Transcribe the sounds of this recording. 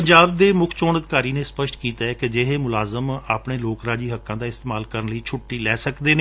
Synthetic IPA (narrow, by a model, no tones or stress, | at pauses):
pəɲd͡ʒaːb̚d̪eːmʊkʰt͡ʃoːnəd̪ɪkaːɾiːnẽːspəʃʈkiːt̪aːɛːked͡ʒeːɦeːmʊlaːzəmaːpɳeːloːkɾaːd͡ʒiːɦəkːãːd̪aːɪst̪eːmaːlkəɾənləiːt͡ʃʰʊʈːiːlɛːsəkd̪eːn